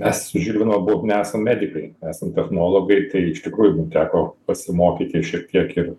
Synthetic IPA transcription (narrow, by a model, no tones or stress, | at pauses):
mʲɛssʊʒʲiːlʲʋʲɪnɐmɐbuʋonʲɛæːsɐmmʲæːd̪ʲɪkɐɪnʲæːsɐmt̪ʲɛxnoːlˠoːɡɐɪt̪ɐɪɪʃt̪ʲɪkɾuːjʊmumt̪ʲæːkoːpɐsʲɪmoːkʲiːt̪ʲɪʃʲiɛk̚t̪ʲiɛkɪr